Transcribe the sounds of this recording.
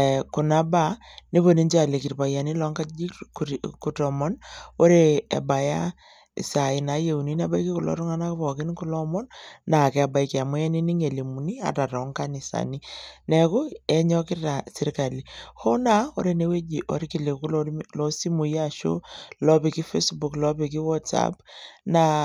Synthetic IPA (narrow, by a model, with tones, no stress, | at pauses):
ku˨na˦ba˦ni˦βo˨ni˦ɲd͡ʒa˨le˨ki˨ɾpa˨ja˨ni˦lɔ˦ŋka˦i˦kku˨tɔ˨mɔ˦no˦ɾe˦˨ḛ˨ba˨ja˦ | ḭ˨sa˨i˨na˨˦je˦u˨ni˦na˦ba˦i˦ki˦ku˨lɔ̰˨˦ɾu˦ŋa˦na˦ku˦pɔ˨kɪ˦nku˦lɔ˦mɔ˦nːa˨kɛ˨a˨ba˨iki˨a˨mɔ˦ɛ˦ni˦ni˦ŋe˨li˨mu˨ni˦a̰˨ta˨tɔ˨˦ŋka˦ni˨sa̰˨ni˦nɛ˨kʊ˦ɛ˨ɲɔ˦kɪ˦ta˨si˦ɾka˨li˨ho˦na˦o̰˦ɾe˨ne˦we˦d͡ʒi˨ʔo̰˨˦ɾki˨le˨ku˦lɔlɔ˦si˦mu˨ja˦˨ʃo̰˦lɔ˦pi˨ki˦fe˦sbu˨klɔ˦pi˨ki˦wɔ˦tsa̰pna˨